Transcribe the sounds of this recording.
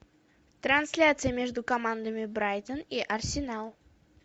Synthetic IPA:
t̪ɾɐnsʲlʲat̪sɨjəmʲe̞ʐd̪ʊkɐmand̪əmʲɪbɾajt̪əniʔɐrsʲɪnalˠ

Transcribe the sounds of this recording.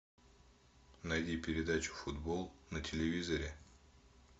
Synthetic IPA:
nɐjdʲipʲɪɾʲɪd̪at͡ɕʊ̥fʊd̪bolˠnətʲɪlʲɪvʲizəɾʲɪ

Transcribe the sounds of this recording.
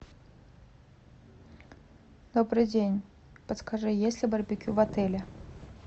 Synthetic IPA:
d̪̥obɾɨd͡zʲenʲ | pət̪skaʐɨjesʲlʲɪbɐrbʲɪkʲuvat̪ɛlʲɛ

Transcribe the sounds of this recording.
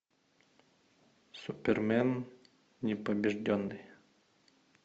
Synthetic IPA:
sʊpʲɛrmʲɛn | nʲɛpɐbʲɪʐdʲɔnːɨj

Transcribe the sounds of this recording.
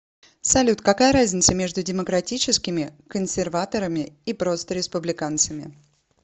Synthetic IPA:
sɐlʲut̪kɐkajəɾazʲnʲɪt̪səmʲe̞ʐd̪ʊdʲɪməkɾɐtʲit͡ɕɪskʲɪmʲɪkənsʲɪrvat̪əɾəmʲɪipɾo̞st̪əɾʲɪspʊblʲɪkant̪səmʲɪ̰

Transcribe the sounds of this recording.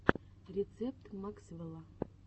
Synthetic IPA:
rʲet̪t͡sep̚t̪mɑksvəlˠɑ

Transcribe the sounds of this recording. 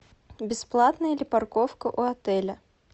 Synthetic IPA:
bʲɪsplˠat̪nəjəlʲɪparkofkəʔuɐt̪ɛlʲə

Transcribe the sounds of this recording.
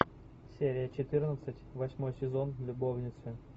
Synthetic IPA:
sʲeɾʲɪjət͡ɕɪt̪ɨrnət̪sɨtʲvɐsʲmo̞jsʲɪzonvlʲʊbovnʲɪt̪sɨ

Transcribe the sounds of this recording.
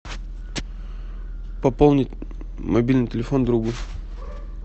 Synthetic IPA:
pɐpolˠnʲɪtʲ | mɐbʲilʲnɨjtʲɪlʲɪfond̪ɾuɡu

